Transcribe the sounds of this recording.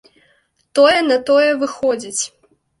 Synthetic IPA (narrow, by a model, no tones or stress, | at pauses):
t̪ɔjɛnɐt̪ɔjɛvɨxɔd͡zʲit͡sʲ